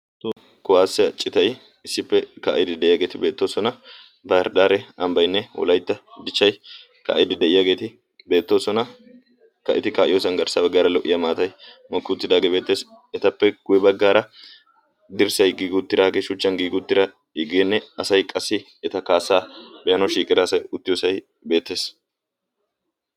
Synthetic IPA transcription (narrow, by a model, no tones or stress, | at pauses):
t̪ | kʊwaːsːɛt͡ʃʼɪt̪ɐj | ɪsːɪpːɛka̰ːʔɪd̪ɪd̪ɛʔɪjaːɡe̞ːt̪ɪbe̞ːt̪ːo̞ːsɔnɐ | bɐɾd̪aːɾɛɐmbɐjnːɛwɔ̰lɐjt̪ːɐd̪ɪt͡ʃːɐj | ka̰ʔjɪd̪ɪd̪ɛʔɪjaːɡe̞ːt̪ɪ | be̞ːt̪ːo̞ːsɔnɐ | kɐʔɪt̪ɪkaːʔɪjoːsɐnɡɐɾsabɐɡːaːɾɐlɔʔɪjɐmaːt̪ɐj | mɔkːɪʊt̪ːɪd̪aːɡeːbe̞ːt̪ːe̞ːs | ɛt̪ɐpːɛɡ̥ʊjɛbɐɡːaːɾɐ | d̪ɪɾsɐjɡiːɡɪʊt̪ːɪd̪aːɡeːʃʊt͡ʃːɐnɡiːɡʊt̪ːɪɾɐ | ɪɡenːɛɐsɐjkʼɐsːɪ | ɛt̪ɐkaːsːaːbɛjɐnɔʃiːkʼɪɾɐːsɐjʊt̪ːɪjoːsɐj | be̞ːt̪ːe̞ːs